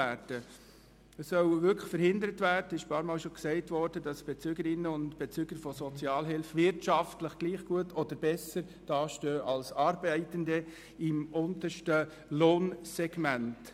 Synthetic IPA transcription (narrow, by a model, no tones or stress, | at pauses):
æːɾd̥ə | əsœwʋʏkfəɾhɪndəɾətvæːrd̥əɪʃpɑːɾmɑːlʃoksɛɪtvɔɾd̥ədɑsb̥ɛt͡syɡəɾɪnːəʊntb̥ɛt͡syɡ̥əɾfɔsɔt͡sjɑːlɦɪlfvɪɾtʃɑftləχɡ̥liːχɡ̥uətʰɔd̥əɾbɛsəɾ | d̥ɑːʃtøːʔɑlsɑːɾbɛɪtəndə | ɪmʔʊnt̪əʃtə | loːnsɛɡ̥mænt